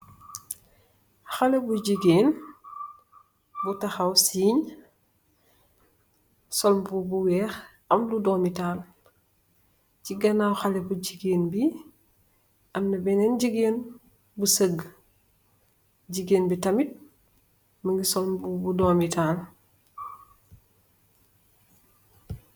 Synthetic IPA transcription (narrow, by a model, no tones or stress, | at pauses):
xalebuɟiɡeːn | butɐxawsiːɲ | sɔlmbubuwɛːx | ɐmludɔːmitaːl | ciɡɐnawxalebuɟiɡeːnbi | ʔɐmnɐbɛnɛnɟəɡeːn | busəɡ | ɟiɡenbitɐmit̚ | məŋɡisɔlmbubudoːmitaːl